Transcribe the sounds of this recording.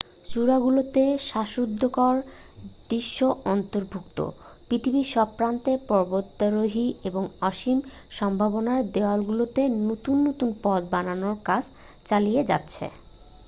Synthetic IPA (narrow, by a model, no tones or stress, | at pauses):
t͡ɕuɾaɡulot̪eʃaʃud̪ʱːokɔɾd̪ɾiʃːoɔnt̪oɾbʱukt̪o̰ | pɾit̪ʰibiʃɔpɾant̪epɔɾbot̪ːaɾoɦieboŋɔʃim | ʃɔmbʱabonaɾd̪ealɡulot̪enot̪unːot̪unpɔd̪bananoɾkad͡ʑʰ | t͡ɕalijed͡ʑa̰tːɕʰḛ